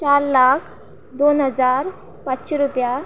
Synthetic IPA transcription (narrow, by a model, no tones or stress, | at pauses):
t͡ɕaɾlakʰ | d̪onɦəd͡zaɾ | patːɕeɾupja